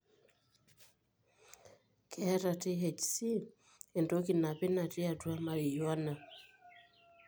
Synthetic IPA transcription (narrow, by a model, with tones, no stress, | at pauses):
kʰɛ˦ɾa˨ti˦ɦɛ˨t͡ʃsi˦ | ɛ˨ndo˦ki˨na˨pɪ˦na˨ti˦a˨tu˦a˦ma˨ɾi˨jɔ˦na˨